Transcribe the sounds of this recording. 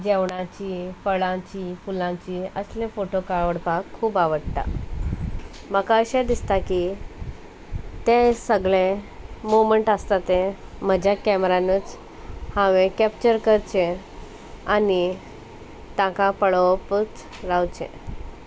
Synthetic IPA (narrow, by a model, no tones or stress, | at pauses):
d͡ʑeʋɳãt͡ɕiːfəɭãt͡ɕiːfulãt͡ɕiːəslẽfoʈokaʋəɽpakʰːuːbaʋəɽt̪a̰ | məkaəɕad̪ist̪aki | t̪ẽsəɡɭẽmuməɳʈəst̪at̪ẽm̤əd͡ʑjakɛmɾanət͡s | hãʋẽkɛp̚t͡ɕəɾkəɾt͡ɕe | ani | t̪ãkapəɭəpət͡s | ɾawt͡ɕḛ̃